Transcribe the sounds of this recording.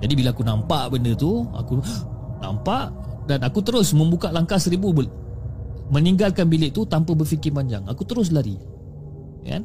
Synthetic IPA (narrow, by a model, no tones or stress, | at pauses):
d͡ʒadibilaakunampaʔbəndət̪ua̰kuna̰mpaʔ | danakut̪əɾʊsmə̃mbukaʔlaŋkasəɾibub | məniŋɡalkanbilɪʔt̪ut̪ampəbəfikɪpaɲd͡ʒa̰ŋa̰kut̪əɾʊs̬laɾḭ | ka̰n